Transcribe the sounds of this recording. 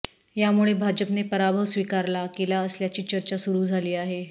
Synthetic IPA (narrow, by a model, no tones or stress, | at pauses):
jamuɭebʱad͡ʑəpnepəɾabʱəʋsʋikaɾlakelaəsljat͡ɕiːt͡ɕəɾt͡ɕasuɾuːd͡zʱaliːaɦe